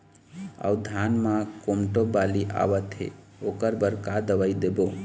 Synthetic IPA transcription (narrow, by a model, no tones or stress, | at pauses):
a̰ud̪ʱanmãkomʈobaliʔa̰bət̪ɦḛ | okəɾbəɾkad̪əʋaid̪ebo